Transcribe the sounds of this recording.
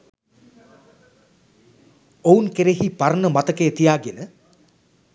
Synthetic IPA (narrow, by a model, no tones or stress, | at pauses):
ounkeɾeɦipaɾənəmat̪əkeːt̪ijaːɡenə